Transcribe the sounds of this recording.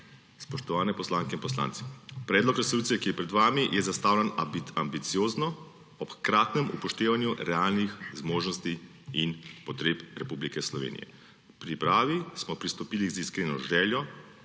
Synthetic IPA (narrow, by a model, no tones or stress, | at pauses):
spɔʃt̪ɔʋaːnɛpɔslaːŋkɛinpɔsla̰ːnt̪si̥pɾɛːd̪lɔkɾɛsɔluːt̪sijɛkijɛpɾɛd̪ʋaːmijɛzast̪aːwlɛnambit̪sijoːznɔ | ɔpkɾaːt̪nɛmṵpɔʃt̪eːʋanjuɾɛalnixzmoːʒnɔst̪i | inpɔt̪ɾeːpɾɛpublikɛslɔʋḛːnḭjɛ̰ | pɾipɾaːʋismɔpɾist̪ɔpiːliziskɾeːnɔʒɛːljɔ